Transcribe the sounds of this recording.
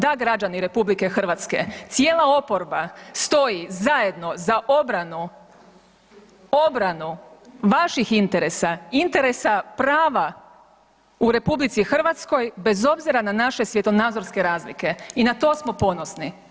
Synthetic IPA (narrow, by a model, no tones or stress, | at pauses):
d̪aɡɾad͡ʒaniɾe̞publike̞xr̩ʋat̪ske̞̰t̪sijeːlˠao̞po̞ɾbast̪o̞jizaje̞d̪no̞zaʔo̞bɾanu | o̞bɾanuʋaʃixint̪e̞ɾe̞saint̪e̞ɾe̞sapɾaːʋa | uɾe̞publit̪sixr̩ʋat̪sko̞jbe̞zo̞bziɾananaʃe̞sʋje̞t̪o̞naːd̪zoɾske̞ɾaːzlike̞inat̪o̞ːsmo̞po̞no̞sni